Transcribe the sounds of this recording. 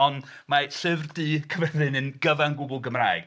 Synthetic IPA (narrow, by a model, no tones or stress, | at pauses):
ɔn | maɬɨvrdiːkʰəvɛðɨnɨnɡ̥əvanɡʊɡʊlˠɡəmra̰ɨɡ̥